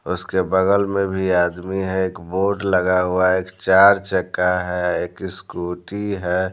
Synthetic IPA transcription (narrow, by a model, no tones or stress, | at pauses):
ʊskebəɡəlmẽbʱiaːd̪miɦɛeːkboːʈləɡaɦuaeːkt͡ʃaːɾt͡ʃəkːaɦɛeːkɪskuːʈiɦɛ